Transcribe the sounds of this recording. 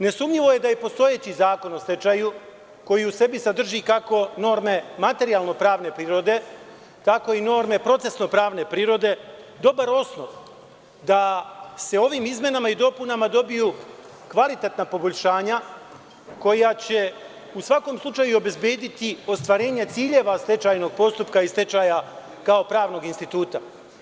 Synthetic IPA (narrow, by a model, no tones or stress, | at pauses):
ne̞sumɲiʋo̞je̞d̪aje̞po̞st̪o̞je̞t͡ɕizaːko̞nose̞t͡ʃaju | ko̞jiuse̞bisad̪r̩ʒikako̞no̞ːɾme̞mat̪e̞ɾialˠno̞pɾaːʋne̞pɾiːɾo̞d̪e̞ | t̪ako̞ino̞ːɾme̞pɾo̞t̪se̞sno̞pɾaːʋne̞pɾiːɾo̞d̪e̞ | d̪o̞baɾo̞snoʋ | d̪ase̞o̞ʋimizmʲje̞namaid̪o̞punamad̪o̞biju | kʋalit̪e̞t̪napo̞bo̞ʎʲʃaːɲa | ko̞jat͡ɕe̞ | usʋako̞mslˠut͡ʃajuo̞be̞zbje̞ːd̪it̪io̞st̪ʋaɾe̞ːɲat̪siːʎe̞ʋast̪e̞t͡ʃajno̞ɡ̚po̞st̪upkaist̪e̞t͡ʃaja | kaopɾaːʋno̞ɡinst̪it̪uːt̪a